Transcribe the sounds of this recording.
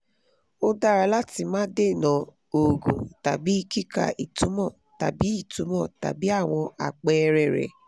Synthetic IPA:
o˦da˦ɾa˧la˦ti˧mãː˦de˦˨nã˨˧ | o˨ɡṵ̃˨ta˨bi˨˦˧ki˦ka̰˧ʔi˨tũ˨˦mɔ̃˦˨ | ta̰˨bi˨˦i˦˨tũ˨˦mɔ̃˦˨ta̰˨bi˦a˦˨w̃ɔ̃˧a̰˨k͡pɛ˧ɾɛ˨ɾɛ̰˨

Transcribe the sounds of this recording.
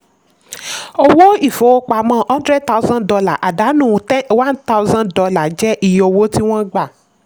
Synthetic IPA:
o˧wo˦i˦˨fo˨˦o˦k͡pa˧mã˦hã˦dɾɛ˦d̚ta˦u˧˦zã˦dɔ˧la˦˨ʔa˨da˨˦nũː˦˨˦wã˦nta˦u˦zã˦dɔ˧la˨d͡ʒɛ˦ʔi˦˨jo˨˧wo˦ti˦w̃ɔ̃˦ɡ͡ba˦˨

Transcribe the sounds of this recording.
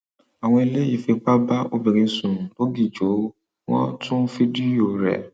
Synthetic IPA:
a˨w̃ɔ̃˧i˧le˦ji˦˨fe˧k͡pa˦ba˦o˧bi˨ɾ̃ĩ˧sũ˨lo˦ɡi˦˨d͡ʒo˨˦ | wɔ̰̃˦tũ˦fi˦di˦o˨ɾɛ̰˨

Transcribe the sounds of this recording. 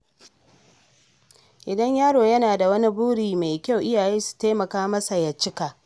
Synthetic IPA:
ʔɪ˨dɐ˦ɲjaː˦ɽoː˨jɐ˦naː˨da˨wɐ˦ni˦buː˦ɽiː˨ma˨jkʲa˦wʔɪ˦jaː˨jeː˦su̥˨taː˦mɐ˨kaː˦mɐ˦sa˨jɐ˨t͡ʃːɪ˦kaː˨ʔ

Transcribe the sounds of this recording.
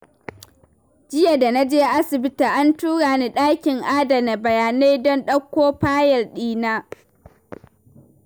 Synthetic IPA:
d͡ʒɪ˦ja˨da˨na˦d͡ʒeː˦ʔa˦sɪ˨bɪ˦taː˨ʔa˦ntuː˦ɽaː˨ni˦ɗaː˦kʲɪ˨ŋʔaː˦da˨na˨bɐ˨jaː˨ne˦jdɔ˦nɗɐ˦kʷːoː˦ɸaː˦jɐ˨rɗiː˦naː˦

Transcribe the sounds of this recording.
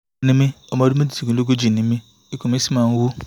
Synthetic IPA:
ni˦mi˦o˦mo˦du˦mi˦di˨ti˨ɡu˨lo˦ɡu˦d͡ʒi˨ni˦mi˦ | i˦ku˨mi˦si˦ma˨ŋ̩˦wu˦

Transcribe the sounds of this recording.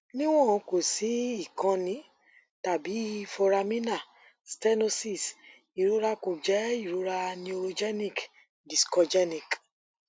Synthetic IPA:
nĩ˦w̃ɔ̃˦˨ɔ̃˨˧ko˨si˨˦i˦˨kã˧nĩ˨˦ | ta˨bi˨˦fɔ˧ɾa˧mĩ˦na˦˨ | stɛ˦no˦si˦˨s | i˨ɾu˨˦ɾa˦ko˨d͡ʒɛ˨˦i˦˨ɾu˨˦ɾa˧nĩ˦o˧ɾo˧d͡ʒɛ˦nĩ˦˨k | di˨skɔ˧d͡ʒɛ˦nĩ˨k

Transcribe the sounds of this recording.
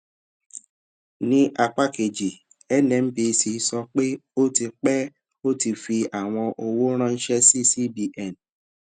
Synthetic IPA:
nĩ˧ʔa˧k͡pa˦˨ke˨d͡ʒi˨ | ɛ˦nɛ̃˨m̩˦bi˧si˧sɔ˧k͡pe˦o˦ti˧k͡pɛ˦ | o˦ti˧fi˧a˨w̃ɔ̃˧ʔo˧wo˦ɾ̃ã˦˧n̩˦ʃɛ˦si˦˨si˦bi˧ʔɛ˦˨n

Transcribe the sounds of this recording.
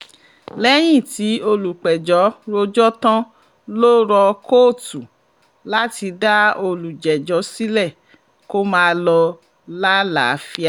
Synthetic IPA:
lɛ˦j̃ĩ˦˨ti˨˦o˧lu˨k͡pɛ˨d͡ʒɔ˨˦ɾo˧d͡ʒɔ˦tã˦ | loː˦ɾɔ˧koː˦˨tu˨ | la˦ti˧da˦o˧lu˨d͡ʒɛ˨d͡ʒɔ˨˦si˦lɛ˦˨ | ko˦mãː˦˧lɔ˧ | la˦la̰˨˦fi˦˧a˦˨

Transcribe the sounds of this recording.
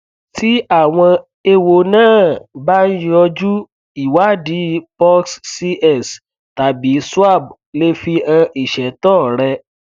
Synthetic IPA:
ti˦a˦˨w̃ɔ̃˧ | e˧wo˨nãː˦˨ba˦n̩˦jɔ˧d͡ʒu˦ | i˨wa˨˦˨di˨˦pɔ˦kssi˧ʔɛ˦˨s | ta˨bi˨˦su˦a˦˨b̚le˦fi˧ã˧ʔi˨ʃɛ˨tɔː˦˨ɾɛ˧

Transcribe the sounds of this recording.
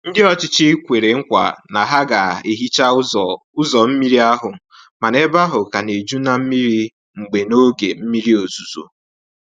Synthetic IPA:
n̩˦dɪ˦ɔ˦t͡ʃɪ˦t͡ʃɪ˦kʷe˨ɾe˨ŋ̩˦kʷa̰˨na˨ɦa˦ɡa˨e˨ɦi˦t͡ʃa˦ | ʊ˦zɔ˨m̩˦mi˦ɾi˦a˦ɦʊ˨ | ma˨ne˦ba˦ɦʊ˨ka˨ne˨d͡ʒu˦na˨m̩˦mi˦ɾi˦ | ŋ͡m̩˨ɡ͡be˨no˦ɡe˨m̩˦mi˦ɾi˦o˨zu˨zṵ˨

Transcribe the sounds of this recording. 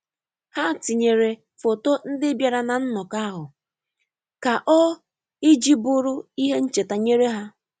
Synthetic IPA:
ha˦˨tɪ˨ɲe˨ɾe˨ | fo˨to˦n̩˦dɪ˦bja˨ɾa˨na˨n̩˦nɔ˨ka˦ɦʊ˨ | ka˨ʔɔ˦ | i˦d͡ʒi˦bʊ˦ɾʊ˦i˦ɦe˦n̩˦t͡ʃe˨ta˨ɲe˦ɾe˦ɦa˦

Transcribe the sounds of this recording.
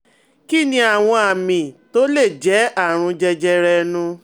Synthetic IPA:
ki˦˨nĩ˧˦a˨w̃ɔ̃˧a˨mĩ˨to˨˦le˦˨d͡ʒɛ˨˦a˦˨ɾ̃ũ˧d͡ʒɛ˧d͡ʒɛ˧ɾɛ˧nũ˧

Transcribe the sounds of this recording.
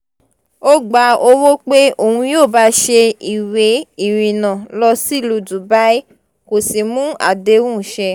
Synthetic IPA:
o˦ɡ͡ba˧˦o˧wo˦k͡pe˦o˨hũ˧joː˦˨ba˧˦ʃe˧i˨we˨˦i˨ɾĩ˨nã˨lɔ˧si˦˨lu˧˦du˨ba˦i˦ | ko˨si˨mũ˦a̰˨de˧˦wũ˦˨ʃɛ˧

